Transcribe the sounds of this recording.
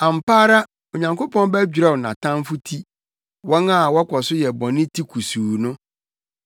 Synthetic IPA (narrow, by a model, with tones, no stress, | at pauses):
ã˨m˨paː˦ɾa˦ | o˨ɲã˨ŋko˦pʰɔ̃˦n˦bæ˦d͡ʑᶣi˨ɾɛ˦wnã˨tʰã˦m˦fʊ˦tʰi˦ | wɔ̃˦ŋa˦˨wɔ˦kʰɔ˨sʊ˦jɛ˨bɔ̃˨nɪ̃˦tʰi˦kʰu˨suː˨nʊ̃˦